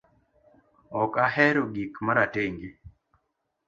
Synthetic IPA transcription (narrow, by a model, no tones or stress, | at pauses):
ɔkahɛɾoɡikmaɾateŋɡi